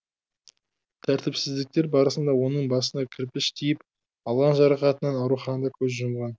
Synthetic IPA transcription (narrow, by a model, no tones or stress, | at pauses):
t̪ʰæɾt̪ɪpsɪzd̪ɪk̚t̪e̞ɾbɑɾəsənd̪ɑwo̞nəɴbɑsənd̪ɑkʲʰɪɾpɪʃt̪ʰijɪp | ɑlˠʁɑnʒɑɾɑqɑt̪ənɑnɑwɾuχɑnənd̪ɑkʲʰɵzʒʊmʁɑn